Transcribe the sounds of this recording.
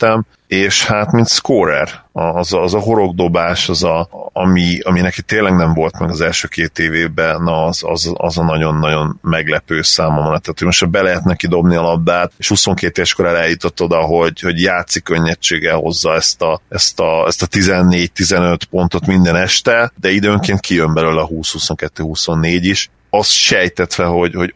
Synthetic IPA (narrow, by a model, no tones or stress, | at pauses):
t̪ːɛm | eːʃhat̪mint̪skoɾɛ̰rɒːzːzɒɦo̞ɾo̞ɡd̪o̞baːʃɒzɒːmiɒminɛkit̪ːeːnlɛɡnɛɱvo̞lt̪mɛɡɒzɛlʃøːkeːt̪eːveːbɛnɒzɒ̰zɒ̰zɒnɒɟo̞nːɒɟo̞nmɛɡlɛpøːsaːmomnɛt̪aːt̪hoɟmo̞ʃt̪ɒbɛlɛɦɛt̪nɛkid̪o̞bniɒlɒb̪ːaːt̪eʃhuso̞ŋkeːt̪eːvɛʃko̞ɾɛlɛljut̪ot̪ːo̞d̪ɒɦo̞ɟho̞ɟjaːt̪sikøɲːɛt͡ʃːeːɡɛlho̞̰zːɒɛst̪ɒɛst̪ɒɛst̪ɒt̪izɛnːeːɟ̚t̪izɛnø̞t̪po̞nt̪o̞t̪mind̪ɛnɛʃt̪ɛd̪ɛid̪øːŋkeːnt̪̚kʰijømbɛløːlɛɒɦuːshuso̞ŋkɛt̪ːøːɦuso̞nːeːɟiʃ | ɒst̪ʃɛjt̪ɛt̪ʋɛɦo̞ɟho̞ɟ